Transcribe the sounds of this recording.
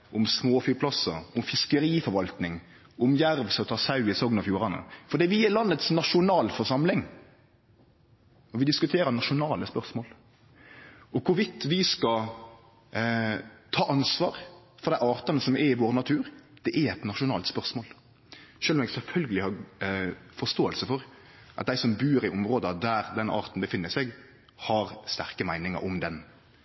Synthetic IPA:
ʔʊmsmoːfyːpʰlɑsɑ̰ʊmfɪskəɾiːfɔɾʋɑlt̪nɪŋ | ʊmjæɾʋsɔt̪ʰɑːsɑʉɪsɔɡnɑfjuːɾɑnə̰fɔɾd̪iːʋɪjɛlɑnːət̪snɑʂʊnɑːlfɔɾʂɑmlɪŋ | ɔʋɪd̪ɪskʉt̪ʰeːɾənɑʃʊnɑːləspœʁsmoːl | ɔkʰʊɾʋɪt̪ːʋɪskɑ | t̪ʰɑːʔɑnsʋɑːɾfɔʁd̪æɪʔɑːʁt̪ɑnəsɔmɛɪʋoːɾnɑt̪ʰʉːɾd̪̥ɛʔɛɛt̪nɑʂʊnɑːlt̪spœʁsmoːl | ʃøːlɔmɛɡsɛlfœlɡəlɪhɑɾ | fɔst̪oːəlsəfɔɾ | ʔɑ̰t̪̚d̪æɪsɔmbʉːɾɪʔʊmɾoːd̪əɑd̪æːɾd̪ɛnʔɑ̰ːʁt̪n̩bəfɪnːəsɛɡ | hɑɾst̪æʁkəmæɪnɪŋɑ̰ɾʊmd̪ɛn

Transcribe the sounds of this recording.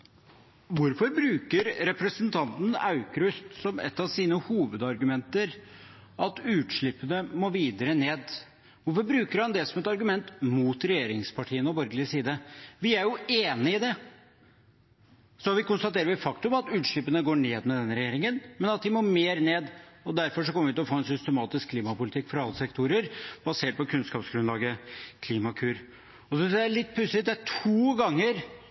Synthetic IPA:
ʋʊɾfɔɾbɾʉːkəɾɾɛpɾəsənt̪ʰɑnt̪n̩ɑ̰ʉkɾʉst̪sɔmɛ̰t̪ːɑʋsiːnəhuːʋəd̪ɑɾɡʉmɛnt̪əɾ | ɑt̪ʉːt̪ʂɭɪpːənəmoʋiːd̪əɾəneːd̪ | ʋʊɾfɔɾbɾʉːkəɾhɑnd̪ɛsɔmɛt̪ɑɾɡʉmɛnt̪muːt̪ɾɛjeːɾɪŋspʰɑʈʰiːənɔbɔɾɡəlɪəsiːd̪əʋɪæɾjʊeːnəɪd̪ɛ | sɔʋɪkʊnst̪ɑt̪ʰeːɾəʋɪfɑkt̪ʉmɑt̪ʉːt̪ʂɭɪpənəɡoːɳeːd̪mɛd̪ɛnːɾɛjeːɾɪŋənmɛnɑt̪̚d̪ɪmoːɾmeːɾneːd̪ɔd̪æɾfɔʂɔkɔməʋɪt̪ɪlɔfoːɛnsʏst̪əmɑːt̪ɪskʰːliːmɑpʊlɪt̪ʰɪkːfɔɾɑɑlːəsɛkt̪ʰuɾəɾb̥ɑseːʈ̚pɔkʰʉnskɑːpsɡɾʉnlɑːɡəkʰliːmɑkʰʉːɾ | ɔsʏnsælɪt̪̚ːpʰʉsɪt̪d̪æʈʰuːɡɑŋːəɾ

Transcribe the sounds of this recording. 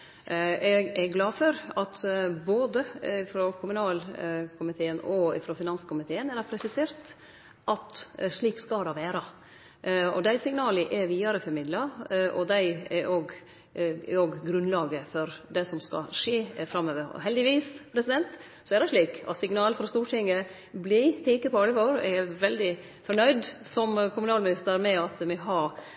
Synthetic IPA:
ɛɡɛɡlɑːfɔɾɑt̪boːd̪əɪfɾokʰʊmʉnɑːlkʰʊmɪt̪ʰeːənɔɪ̰fɾoːfɪnɑnskʰʊmɪt̪ʰeːənɛɾd̪ɑpʰɾɛsɪseːɾt̪ | ʔɑt̪ʂɭiːkskɑd̪ɑʋæːɾɑ | ɔ̰d̪æɪsɪŋnɑːlɪʔɛʋiːɑɾəfɔɾmɪd̪lɑʔɔd̪æɪɛʔoːɡ | oːɡɡɾʉnlɑːɡəfɔɾd̪ɛsɔmskɑ̰ʂeːfɾɑmːøːʋəɾɔ̰ɦɛld̪ɪʋiːspʰɾɛsɪd̪ɛnt̪ | sɔɛɾd̪ɛɪʂɭiːkɑ̰t̪sɪŋnɑːlfɔɾɑst̪uːʈʰɪŋːə | blɪt̪ʰeːkəpʰɔɑləʋoːɾɛʋɛld̪ɪ | fɔɳœʏd̪sɔmkʰʊmʉnɑːlmɪnɪst̪əɾmɛɑt̪mɛɦɑɾ

